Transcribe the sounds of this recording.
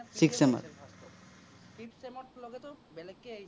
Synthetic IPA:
siksema̰ɾ | pipsemoʈloɡet̪obelekːeej

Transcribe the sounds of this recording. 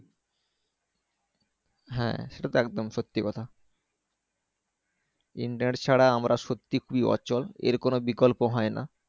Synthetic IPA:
ɦɛ̰̃ʃeʈat̪oɛk̚d̪omʃot̪ːikɔt̪ʰa | ḭɳʈɾneʈt͡ɕʰaɽaamɾaʃot̪ːikʰubiɔ̰t͡ɕolḛɾkonobikolpoɦɔena̰

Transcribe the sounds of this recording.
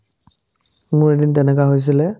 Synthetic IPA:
mʊɹedintɛnɛk̬aɦojs̬ilɛ

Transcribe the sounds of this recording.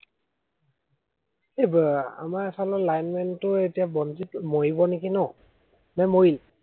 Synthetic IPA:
eba̰masalɔlajnmɛntʊetijabɔnzitmojibɔnekinɔ | nɛmojil

